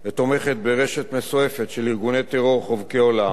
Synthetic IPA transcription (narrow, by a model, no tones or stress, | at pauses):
et̪o̞me̞χet̪̚beʁeʃet̪mesojefe̞t̪ʃeliʁɡunejt̪eʁo̞ʁχovkeola